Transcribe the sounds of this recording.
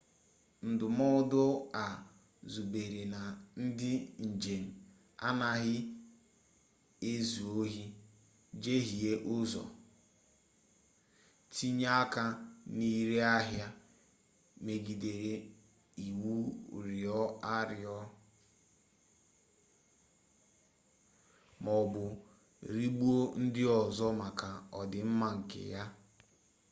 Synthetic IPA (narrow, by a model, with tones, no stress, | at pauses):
n̩˨dʊ˨mɔ˦dʊ˦a˨ | zu˨be˨ɾe˨na˨n̩˦dɪ˦n̩˨d͡ʒe˨n̩˨ | a̰˦na˦ɦɪ˦ | e˦zu˨o˦ɦi˦ | d͡ʒe˦ɦi˨e˦ʔʊ˦zɔ̰˨ | ti˦ɲa˦ka˦ni˦ɾe˦a˦ɦja˦ | me˨ɡi˨de˨ɾe˨ | i˨wu˦ɾɪ˨ɔ˦a˦ɾɪ˨ɔ˦ | mɔ˨bʊ˨ | ɾi˦ɡ͡bu˦o˦n̩˦dɪ˦ɔ˨zɔ˦ma˨ka˨ɔ˨dɪ˨m̩˦ma˦ŋ̩˨kɪ̰˨ja˦